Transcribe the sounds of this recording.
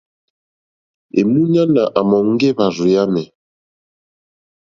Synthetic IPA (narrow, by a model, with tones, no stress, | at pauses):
ḛ˨mu˦ɲa˦na˨ʔa˨mɔ˨ŋ̩˦ɡe˦βa˨zu˨ja˦mɛ˨